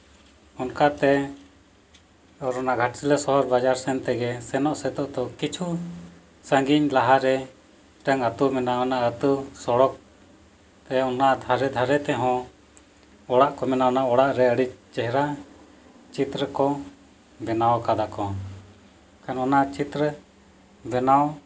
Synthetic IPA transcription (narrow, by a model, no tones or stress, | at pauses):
ɔnkat̪ɛ | ɔɾɔnaɡʱaʈsilɛsɔɦɔɾbad͡ʒaɾsɛnt̪ɛɡɛsɛnɔʔsɛt̪ɔʔt̪ɔkit͡ʃʰu | səŋɡiɲlaɦaɾɛ | ʈəŋət̪umɛnaɔnaʔət̪usɔɽɔk̚ | t̪ɛɔnad̪ʱaɾɛd̪ʱaɾɛt̪ɛɦɔ̃ | ɔɽaʔkɔmɛnaɔnaɔɽaʔɾɛəɽic̚t͡ʃɛɦɾa | t͡ʃit̪ɾəkɔ | bʱɛnawkad̪akɔ | kanɔnat͡ʃit̪ɾə | bɛnaw